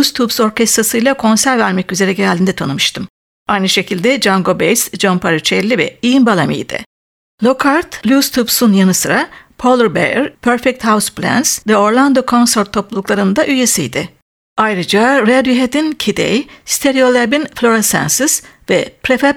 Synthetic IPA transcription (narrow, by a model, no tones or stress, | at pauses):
ust̪ʰubso̞ɾcɛst̪ɾasɯjlˠakʰo̞nsæɾvæɾmɛcyze̞ɾɛɟeɾælʲd̪ʲind̪ɛt̪ʰanɯmɯʃt̪ʰɯm | ajnɯʃe̞cʰilʲd̪ɛd͡ʒaŋɡo̞bejsd͡ʒonpʰaɾut͡ʃʰɛlʲːivɛ̰iːnbalˠamḭjd̪̥ɪ̰ | lʲˠo̞kʰaɾt̪lʲust̪ʰubsunjanɯsɯɾapʰolˠɾbḛjɛɾpʰøɾfɛk̚t̪hawusplʲæ̰nsvɛo̞ɾlˠand̪okʰo̞nsɛɾt̪ʰːo̞plˠulˠuklˠaɾɯnd̪aʔyjesijd̪ɪ | ajɾɯd͡ʒaɾɛd̪yɦed̪incʰid̪ḛjst̪ʰeɾio̞lˠɛbinflʲˠo̞ɾasæ̰nsɯsvɛpʰɾefɛ